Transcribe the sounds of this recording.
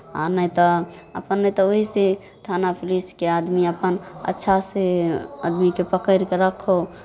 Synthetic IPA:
a̰nəjt̪ɔəpənːəjt̪ɔoɦise | t̪ʰanapʰliskead̪miəpənə̰tːʃʰaseə̰d̪mikepəkəɪɾkeɾəkʰːo

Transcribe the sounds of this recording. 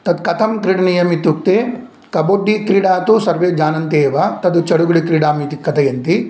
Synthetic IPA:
t̪ɐd̪kɐt̪ʰɐmkɾiɽɐnijɐmit̪ːuk̚t̪e | kɐboːɖːikɾiɽaːt̪usɐɾʋeːd͡ʒaːnɐnt̪eːʋɐt̪ɐd̪ut͡ʃɐɽuɡuɽikɾiɽaːmiːt̪ikɐt̪ʰɐjɐnt̪i

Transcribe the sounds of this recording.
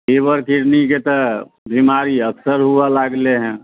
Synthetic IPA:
eːbəɾkiɾniket̪ə | bʱimaːɾiəksəɾɦualaːɡleɦɛ̃ː

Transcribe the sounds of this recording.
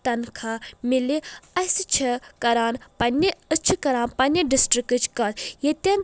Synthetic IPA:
t̪ɐnkʰamiliɐsɨt͡ʃʰɐkɐɾaːnpɐnːɐɨt͡ʃʰɨkɐɾaːnpɐnːɐɖisʈɾɨkɨt͡ʃkɐt̪jet̪ʲɐn

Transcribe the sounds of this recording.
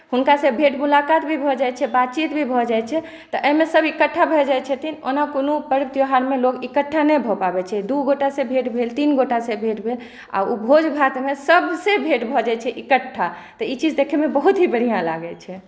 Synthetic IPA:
hunkasebʱeʈmulakat̪bʱibʱɔd͡ʒajt͡ʃʰɛbat̪̚t͡ʃit̪bʱibʱɔd͡ʒajt͡ʃʰɛ | t̪ɔʔəmesəbikəʈʰːabʱɛd͡ʒajt͡ʃʰət̪ʰino̰nakonupəɾt̪joɦaɾmelokikəʈʰːanəjbʱɔpabɛt͡ʃʰɛd̪uɡoʈasẽbʱeʈbʱelt̪inɡoʈasebʱeʈbʱel | a̰ubʱod͡ʒbʱat̪mesəbsẽbʱeʈbʱɔd͡ʒat͡ʃʰɛʔikəʈʰːat̪ɔit͡ʃid͡ʒd̪ekʰɛmebəɦut̪ɦibəɽ̤ijãla̰ɡɛt͡ʃʰɛ

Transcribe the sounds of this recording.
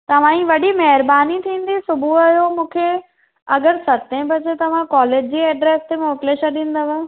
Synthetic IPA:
t̪ɐʋ̤ãĩʋɐɗimɐɦɪɾbaːnit̪ʰĩːn̆d̪isʊbʱuɐjomũːkʰe | ɐɡəɾsɐt̪ẽbɐd͡ʑet̪ɐʋ̤ãkɔːleːd͡ʑd͡ʑiːɛːɖɾeːst̪emoːkleʃɐɗĩːn̆d̪əʋə

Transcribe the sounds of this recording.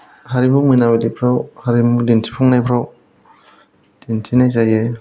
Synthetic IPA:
haɾimumɯnabedipʰɾawhaɾimudintʰipʰuŋnajpʰɾaw | d̥intʰinajzaje

